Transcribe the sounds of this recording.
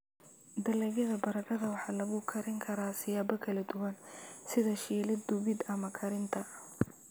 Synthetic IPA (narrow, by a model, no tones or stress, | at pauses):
d̪ɐlɛjɐðɐbɐɾɐkʰɐðɐwɑħɑːlɐɣʊkʰɐɾɪŋkʰɐɾaːsɪjaːbɔkʰɐlɐd̪ʊwɐnsɪðɐʃiːlɪd̪ʊβɪd̪ɐmɐkʰɐɾɪnt̪ʰɐ